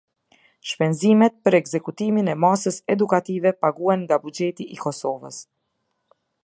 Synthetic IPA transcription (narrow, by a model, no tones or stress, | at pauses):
ʃpɛnzimɛt̪̚pəɾɛɡzɛkut̪iminɛmasəsɛd̪ukat̪ivɛpaɡuɛnŋɡabud͡ʒɛt̪iʔikɔsɔvə̰s